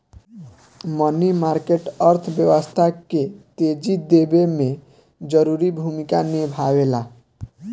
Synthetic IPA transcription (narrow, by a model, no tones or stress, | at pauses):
mɔnimaɾkeʈʌɾt̪ʰbjəwɔst̪ʰaket̪ed͡ʒid̪ebemẽ | d͡ʒəɾuɾibʱumikanebʱawela